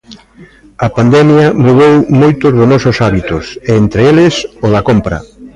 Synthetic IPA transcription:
ɐpand̪ɛmjɐmuðowmojt̪ʊzðʊnɔsʊsaβit̪ʊseent̪ɾeelɪsoðɐkompɾɐ̰

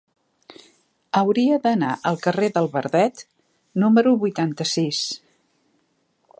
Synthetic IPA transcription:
əwɾiəðənaʔəlˠkəreðəlˠβəɾðɛt̪ | numəɾuβujt̪ant̪əsis

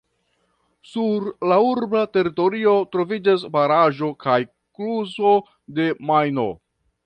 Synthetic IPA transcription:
suɾlauɾbate̞ɾito̞ɾio̞tɾo̞vid͡ʒas̬baɾaʒo̞kʰaj | kluzo̞ | de̞majno̞̰

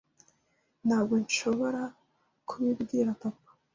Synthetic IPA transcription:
n̥haːbɡo̞nʃo̞βo̞ɾa | kʰuβibɡiːɾapapḁ

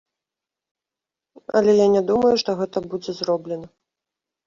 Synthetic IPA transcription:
ɐ̰lʲɛjanʲɛd̪umɐjuʂt̪ɔɣɛt̪ɐbud͡zʲɛzɾɔblʲɛnɐ

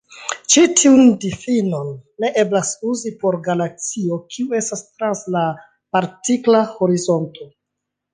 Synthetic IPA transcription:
t͡ʃitʰiundifino̞nːe̞ʔe̞blasuzipo̞ɾɡalak̚t͡sio̞kʰiue̞stastɾansla | paɾtiklaho̞ɾizo̞nto̞

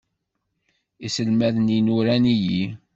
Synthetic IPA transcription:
isəlmæðəninuɾæniji

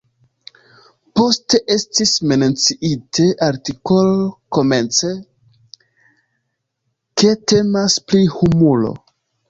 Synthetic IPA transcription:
po̞ste̞ʔe̞stismenet͡siʔitʰe̞ʔaɾtiko̞loko̞me̞nt͡se̞ | ke̞te̞masplihumulo̞̰

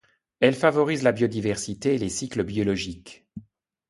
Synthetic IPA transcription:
ɛlfavɔʁizlabjod̪ivɛʁsit̪eːlesikləbjɔlɔʒik

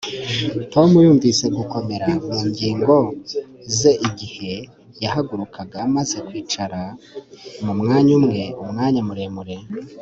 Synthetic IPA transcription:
to̞mujuːɱvise̞ɡuko̞me̞ɾamuːɲɟiːŋɡo̞ | ze̞ʔiɟihe̞ | jahaɡuɾukʰaɡamaze̞kwiːt͡ʃaɾa | mumŋaːɲumŋe̞umŋaːɲamuɾe̞muɾe̞

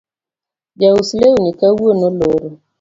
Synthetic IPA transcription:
ɡawusleuɲikawuonoloɾo

